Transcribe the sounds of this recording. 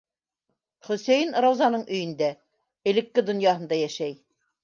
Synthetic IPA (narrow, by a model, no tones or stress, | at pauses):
χɵ̆sæjɘnɾɑwzɑnɤɴʔɵ̆jɘ̆nd̪æ | ɘ̆lɘ̆kːɘd̪ŏnjɑɦɤ̆nd̪ɑjæʃæj